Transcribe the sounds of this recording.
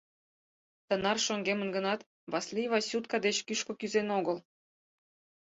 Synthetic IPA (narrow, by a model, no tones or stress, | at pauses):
t̪ə̆nɑrʃoŋɡemə̆nɡə̆nɑt̪ | βɑslʲiβɑsʲut̪̚kɑd̪et͡ɕkyʃkɤ̆kyzenoɡəlˠ